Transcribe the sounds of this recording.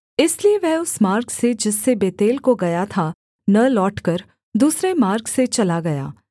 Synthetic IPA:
ɪslieʋɛɦʊsmaːɾksed͡ʒɪsːebeːt̪eːlkoɡɐjat̪ʰa | nɐlɔːʈkɐɾ | d̪uːsɾemaːɾkset͡ʃɐlaɡɐja̰ː

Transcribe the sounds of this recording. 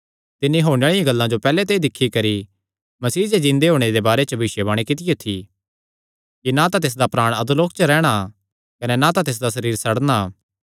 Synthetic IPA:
t̪ɪnːiɦoːɽ̃eɭɪjãɡɐlːãd͡ʒopɛːlet̪̬eːd̪ɪkʰːikɐɾi | mɐsiːd͡ʒed͡ʒɪ̃nd̪eɦoːɽ̃ed̪ebaːɾet͡ʃəbɪʃjəbaːɽ̃ikɪt̪ɪjot̪ʰi | kinat̪at̪eːs̬d̪apɾaːɽ̃ɐd̪uloːk̚t͡ʃəɾɛːɽ̃a | kɐnɛnat̪at̪eːs̬d̪asɐɾiːɾsɐɽna

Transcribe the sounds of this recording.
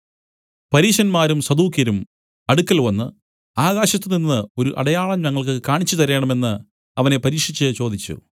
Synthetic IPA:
pɐɾiːʂɐnmaːɾumsɐd̪uːkjɐɾum | ɐɽukːɐlʋɐnːɨ | aːɣaːɕɐt̪ːɨninːɨo̞ɾuʔɐ̰ɽɐjaːɭɐmɲɐŋːɐɭk̬ɨkaːɳit͡ɕːut̪ɐɾeːɳɐme̞nːɨ | ɐʋɐne̞pɐɾiːkʂit͡ɕːɨt͡ɕo̞ːd̪it͡ɕːṵ

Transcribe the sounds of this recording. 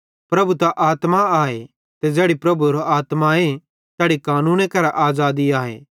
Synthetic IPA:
pɾɐbʱut̪aʔaːt̪maaːe | t̪ed͡ʒɛːɽipɾɐbuɾoʔaːt̪mae | t̪ɛːɽikaːnũːnekɐɾaʔaːzaːd̪iaːɦḛː

